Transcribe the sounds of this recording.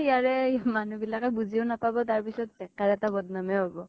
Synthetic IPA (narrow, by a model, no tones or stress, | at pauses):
ijaɹɛmanubilakɛbuziʊnapabɔtaɹpisɔt̚ːɛkaɹɛtabɔdnamɛɦobɔ